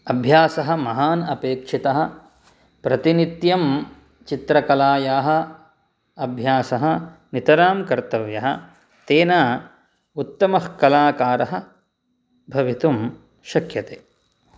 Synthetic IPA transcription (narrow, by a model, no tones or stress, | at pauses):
ɐbʱjaːsɐɦɐ̆mɐɦaːnɐpeːkʂit̪ɐɦɐ̆ | pɾɐt̪init̪jɐm | t͡ʃit̪ɾɐkɐlaːjaːɦɐ̆ | ɐbʱjaːsɐɦɐnit̪ɐɾaːmkɐɾt̪ɐʋjɐɦɐ̰̆ | t̪eːnaː | ut̪ːɐmɐhkɐlaːkaːɾɐɦɐ̆ | bʱɐʋit̪um | ʃɐkjɐt̪eː